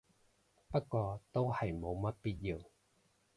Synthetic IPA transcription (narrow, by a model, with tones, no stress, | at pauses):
pɐ˥t̚kːʷɔː˧t̪o˥whɐ˨jmo˨˧wmɐ˥t̚piː˥t̚jiː˨˧w